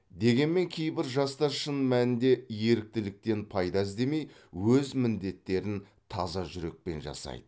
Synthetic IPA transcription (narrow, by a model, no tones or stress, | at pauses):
d̪e̞ɡʲe̞nme̞ŋkʲʰe̞jbɪɾʒɑst̪ɑɾʃənmænɪnd̪e̞je̞ɾɪk̚t̪ɪlɪk̚t̪e̞npʰɑjd̪ɑɪzd̪e̞me̞j | wɵzmɪnd̪e̞t̪ːe̞ɾɪn | t̪ʰɑzɑʒʏɾe̞k̚pe̞̰nʒɑ̰sɑ̰jd̪̥ə